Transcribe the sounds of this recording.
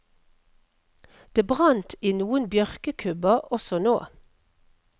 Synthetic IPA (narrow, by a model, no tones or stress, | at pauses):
d̪̥eːbʁɑnt̪iːnuːənbjœʁkəkʰʉbəʁɔsɔnoː